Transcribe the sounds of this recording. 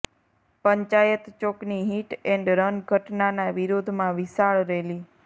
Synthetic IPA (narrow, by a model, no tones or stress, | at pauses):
pəɲt͡ʃajət̪t͡ʃokniɦiʈɛ̃ɳɖɾənɡʱəʈnanaʋiɾod̪ʱmãʋisaɭɾeli